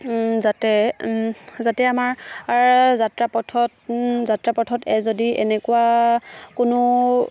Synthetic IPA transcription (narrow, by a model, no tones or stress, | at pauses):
zatɛ | zatɛamaɹaɹzatɹapɔtʰɔtzatɹapɔtʰɔtɛzodiʔɛ̰nɛkʊwakʊnʊ